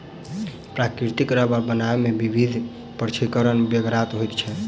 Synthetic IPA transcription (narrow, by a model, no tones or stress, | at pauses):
pɾakɾit̪ikɾəbabənaemebibʱid̪ʱ | pəɾt͡ʃʰikəɾənbjəɡɾat̪ɦojt̪t͡ʃʰɛ